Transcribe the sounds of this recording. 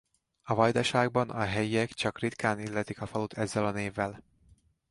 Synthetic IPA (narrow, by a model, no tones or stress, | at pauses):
ɒvɒjd̪ɒʃaːɡ̚bɒnɒɦɛjiɛkt͡ʃɒkrit̪kaːnilːɛt̪ikɒfɒlut̪ʰɛzːɛlɒneːvːɛl